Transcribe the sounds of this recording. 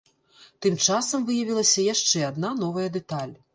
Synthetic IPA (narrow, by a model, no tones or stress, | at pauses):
t̪ɨmt͡ʂasɐmvɨjɐvʲilˠɐsʲɐjaʂt͡ʂɛad̪nanɔvɐjɐd̪ɛt̪alʲ